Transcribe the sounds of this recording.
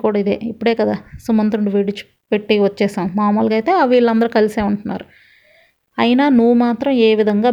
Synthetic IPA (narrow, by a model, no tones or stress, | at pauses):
kuːɽaid̪ḛːipːuɽeːkɐd̪aːsumɐnt̪ɾuɳɖiʋeɽit͡ʃu̥ | peʈːiʋɐt͡ʃːɛːsaːmmaːmoːlɡaːjt̪e̞ːɐʋiːɭːɐnd̪ɐɾukɐliseːuɳʈunːa̰ːɾu | ɐjinaːnuʋːumaːt̪ɾɐmeːʋid̪ʱɐŋɡaː